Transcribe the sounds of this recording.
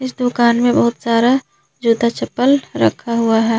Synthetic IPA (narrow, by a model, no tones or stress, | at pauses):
ɪsd̪ʊkaːnmẽbəɦʊt̪saːɾa | d͡ʒuːd̪at͡ʃəpːəlɾə̰kʰaɦuaɦɛː